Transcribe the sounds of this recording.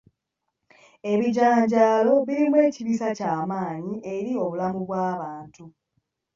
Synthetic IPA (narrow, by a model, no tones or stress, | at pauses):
e̞βiɟaːɲɟaːlo̞βiɾimwe̞ːciβisacaːmaːɲiʔe̞ɾio̞βulamuβwaːβaːntu